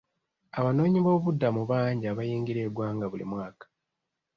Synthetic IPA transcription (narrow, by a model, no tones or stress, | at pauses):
aβano̞ːɲiβo̞ːβudːamuβaːɲɟiaβajiːŋɡiɾe̞ːɡwaːŋɡaβulḭmwaːkḁ